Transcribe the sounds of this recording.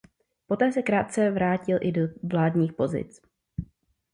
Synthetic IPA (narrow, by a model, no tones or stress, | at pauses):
po̞t̪ɛːsɛkɾaːt̪̚t͡sɛvɾaːcɪlʔɪdovlaːdɲiːxpo̞zɪ̰t͡s